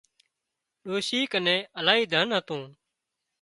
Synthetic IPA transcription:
ɗoːʃiːkənẽːəlaːɦiːd̪ʱənɦət̪ũː

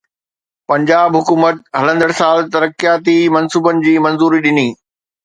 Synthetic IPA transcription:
pɐ̃ɲd͡ʑaːbɦʊkuːmət̪̚ɦɐlə̃nd̪əɽsaːlt̪ɐɾəkijaːt̪imɐ̃nsuːbənɪ̆d͡ʑiːmɐ̃nzuːɾiɗɪniː

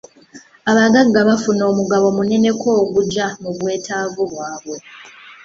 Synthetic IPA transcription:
aβaɡaɡːaβafuno̞ːmuɡaβo̞mune̞ne̞kʰo̞ːɡuɟamuβwe̞ːtʰaːvuβwaːβwo̞

